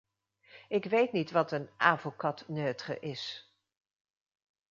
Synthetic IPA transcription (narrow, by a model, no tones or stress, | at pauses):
ɪkʋejtnitʋɑtənʔaːvəlˠkɑtnøːtχə̰ʔɪs